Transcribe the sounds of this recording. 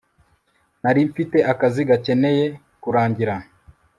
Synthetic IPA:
naɾiɱfite̞ʔakaziɡace̞ne̞je̞ | kuɾaːɲɟiɾa

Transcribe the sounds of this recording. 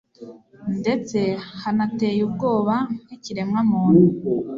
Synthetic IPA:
nde̞t͡se̞hanate̞ːjub̚ɡo̞ːβḁiciɾe̞mŋamuːnu

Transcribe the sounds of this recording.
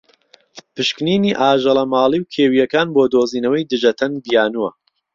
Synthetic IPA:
pɨʃkniːniːʔaːʒɐlˠɐmaːlˠiːwkʰeːwijɐkaːnboːd̪oːziːnɐwɐjd̪ɨʒɐt̪ʰɐnd̪ijaːnuwɐ

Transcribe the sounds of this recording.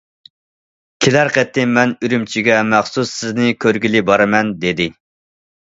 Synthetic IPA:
kʲʰelæɾqɛt̪ʰːɪmɛnyɾymt͡ʃʰiɡʲɛmæχsusɪznɪkʲʰøɾɡʲilɪbɑɾɨmɛnd̪ed̪ɪ

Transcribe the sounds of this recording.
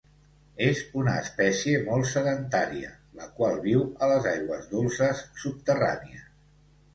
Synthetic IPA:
ezunəːspɛsiemɔlˠtsəðənt̪aɾiə̰ | ləkwalˠβiwələzajɣwəzðulˠsəsːup̚t̪əra̰niə

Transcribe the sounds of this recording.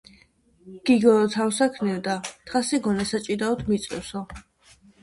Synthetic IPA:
ɡ̥iɡɔɔt̪ʰawsakʰnɛvd̪at̪ʰχasiɡɔnasat͡ʃʼid̪aɔd̪mit̪sʼɛ̰sɔ

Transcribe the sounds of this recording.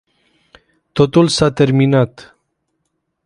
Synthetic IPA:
t̪o̞t̪ulsat̪e̞rminat̪

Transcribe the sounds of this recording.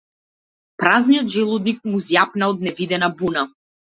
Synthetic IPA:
pɾaznijɔd̪ʒɛlˠud̪nik̚muzjapnaɔd̪nɛvid̪ɛnabuna

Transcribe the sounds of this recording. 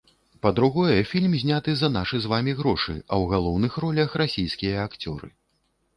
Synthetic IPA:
pɐd̪ɾuɣɔjɛfʲilʲmzʲnʲat̪ɨzɐnaʂɨzvamʲiɣɾɔʂɨ̰ɐwɣalˠɔwnɨxrɔlʲɐxrasʲijskʲijɐːkt͡sʲɔ̰ɾɨ̰

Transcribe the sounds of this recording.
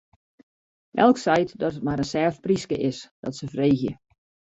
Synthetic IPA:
ʔɛ̰lˠksɛjtdɔtət̚maɾənsɛːfpriskəʔɪsd̥ɔ̰tsəvreːxjə̰

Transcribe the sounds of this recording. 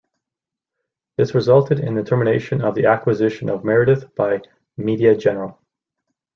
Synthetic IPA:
ðɪsɹɨzʌlˠtʰɨɾɪ̰̃nðɨtʰɜ˞mɨneɪʃɨ̃nʌvðiækwɨzɪʃɨ̃nʌvmɛɹɨɾɨfb̥aɪ | miɾiɨd͡ʒɛnə˞l̩ˠ

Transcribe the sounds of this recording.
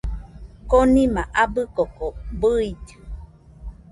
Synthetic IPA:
konĩmãʔabɨkokobɨid͡ʒɨ

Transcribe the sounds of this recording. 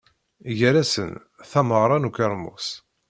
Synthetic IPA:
ʝəɾæsə̰n | θæməʁɾˤɑnukəɾˤmʊ̰s

